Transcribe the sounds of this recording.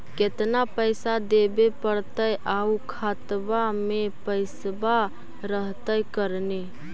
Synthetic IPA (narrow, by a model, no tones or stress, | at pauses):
ket̪napəjsad̪ebepəɽt̪əjʔaukʰat̪bamepəjsba | ɾəɦt̪əjkəɾne